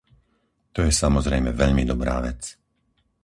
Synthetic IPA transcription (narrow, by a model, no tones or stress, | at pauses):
t̪ɔjɛsamɔzɾɛjmɛʋɛʎmid̪ɔbɾa̰ːʋɛt͡s